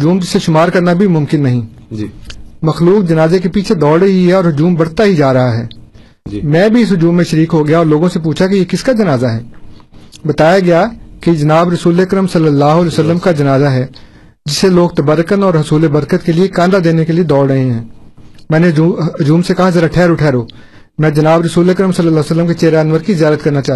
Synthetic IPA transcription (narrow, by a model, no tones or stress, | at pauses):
ɦʊd͡ʒuːmd͡ʒɪsːeʃʊmaːɾkɐɾnabʱimʊ̃mkɪnːɐɦĩ | mɐxluːkd͡ʒɐnaːzekepiːt͡ʃʰed̪ɔːɽɦiɦɛɔːɾɦʊd͡ʒuːmbɐɽt̪aɦid͡ʒaːɾɐɦaɦɛː | mɛ̃ːbʱiɪsɦʊd͡ʒuːmːẽʃɐɾiːkɦoɡɐjaɔːɾloːɡõsep̬uːt͡ʃʰakijekɪskad͡ʒɐnaːzaɦɛː | bɐt̪aːjaɡɐjakid͡ʒɐnaːbɾəɐsuːleəkɾəmsɐlːəlːaːɦolːsəlːəmkad͡ʒɐnaːzaɦɛː | d͡ʒɪsːeloːɡ̚t̪ɐbəɾːəkənɔːɾɦʊsuːlebɐɾkət̪keliekãːnd̪ad̪eːnekelied̪ɔːɽɽɐɦẽɦɛ̃ːmɛ̃ːneɦʊd͡ʒuːmsekɐɦazɐɾaʈʰɛːɾʊʈʰɛːɾoː | mɛ̃ːd͡ʒɐnaːbɾɐsuːleəkɾəmsəlːəlːaːsəlːəmket͡ʃeːɾaənʋəɾkizɪjaːɾət̪kɐɾnat͡ʃaː